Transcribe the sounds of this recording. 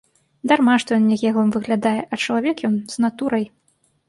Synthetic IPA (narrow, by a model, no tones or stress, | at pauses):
d̪armaʂt̪ɔjɔnnʲɛɣʲɛɣlˠɨmvɨɣlʲad̪ajɛʔɐt͡ʂɐlˠavʲɛkjɔnz̥nat̪uɾɐj